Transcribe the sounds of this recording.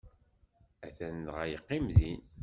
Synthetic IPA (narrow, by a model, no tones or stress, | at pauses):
æθænːʁæjəqːimðinθ